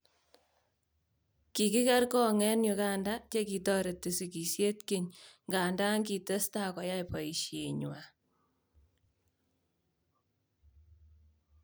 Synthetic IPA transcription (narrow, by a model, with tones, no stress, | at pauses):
ki˨ki˦ka˦rkɔ˦ŋɛ˦njʊ˧ka˦nda˦t͡ʃe˦ki˨tɔ˦ɾe˨ti˨si˨ki˨sje˦tke˨ɲŋɡa˨nda˦ŋki˨te˦sta˦kɔ˨ja˦jpɔ˨i˨ʃje˨ɲwa˨